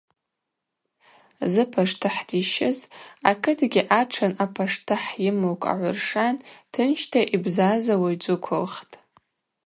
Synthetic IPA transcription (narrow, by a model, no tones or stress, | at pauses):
zɨpʰaʂtʰɨħdiʃɪzakʰɨtʰɡʲiʔaʈ͡ʂʰanapʰaʂtʰɨħjɪmokʷʼa̰ʕʷʊrʂantʰɨnʃtʰaʔibzazawajd͡zʷʊkʷʰʊlχtʼ